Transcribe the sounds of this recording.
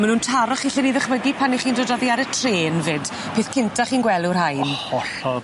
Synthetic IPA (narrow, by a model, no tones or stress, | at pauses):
manuːntʰaɾɔχiɬɪniðəχvəɡipʰaniχiːndoːdɔðiaɾətʰreːnvɪːd̥ | pʰeːθkʰɪntʰaχiːnɡwɛlˠurɦajnɔɬɔ